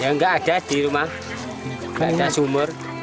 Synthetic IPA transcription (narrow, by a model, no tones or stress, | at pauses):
jaŋɡaːdadiɾəma | ŋɡaadasuməɾ